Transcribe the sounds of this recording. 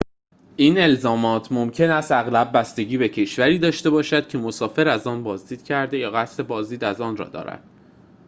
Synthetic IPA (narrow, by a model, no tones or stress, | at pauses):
ʔiːne̞lzɒːmɒːt̪ʰmomcʰe̞næst̪æɣlæbːæst̪e̞ɟʲiːbe̞cʰe̞ʃvæɾiːd̪ɒːʃt̪e̞bɒːʃæd̪̥cʰe̞mosɒːfe̞ɾæzɒːnbɒːzd̪iːd̪̥cʰæɾd̪e̞jɒːɣæst̪e̞bɒːzd̪iːd̪æzɒːnrɒ̰ːd̪ɒ̰ːɾæ̰d̪̥